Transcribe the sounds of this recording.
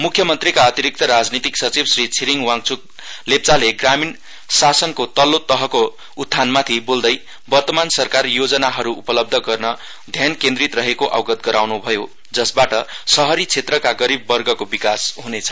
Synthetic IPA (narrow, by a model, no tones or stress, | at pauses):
mukʰjʌmʌnt̪rikaʌt̪iɾik̚t̪ʌɾad͡znit̪iksʌt͡sibsrit͡sʰiɾiŋwaŋt͡sʰuk̚ | lep̚t͡saleɡramin | sasʌnkot̪ʌlot̪ʌɦʌko | ud̪̚ʱanmat̪ʰibold̪ʌj | bʌrt̪ʌmansʌrkarjod͡zʌnaɦʌɾuupʌlʌb̚d̪ʱʌɡʌrnʌ | d̪ʱjankẽnd̪rit̪rʌɦekoʔa̰wɡʌt̪̚ɡʌɾawnubʱʌjo | d͡zʌsbaʈʌsʌɦʌɾit͡sʰet̪rʌkaɡʌɾibːʌrɡʌkobikasɦunet͡sʰʌ̥